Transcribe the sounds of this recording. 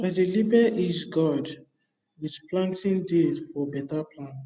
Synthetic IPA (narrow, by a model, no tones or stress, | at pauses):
aɪdelibɛʔid͡ʒɡɔd | widplãntĩndedfɔbɛtapʰlãnt